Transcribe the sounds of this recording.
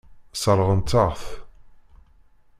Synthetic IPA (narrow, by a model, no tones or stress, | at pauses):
səɾˤʁənt̪ːəʁθ